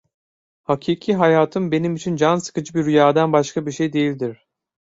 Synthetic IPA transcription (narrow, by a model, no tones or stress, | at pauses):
hacʰiːcʰiɦajaːt̪ʰɯmbe̞nimit͡ʃʰind͡ʒansɯ̥kɯd͡ʒɯbiɾyjaːd̪anbaʃkabiɾʃe̞jd̪e̞jilʲd̪iɾ̥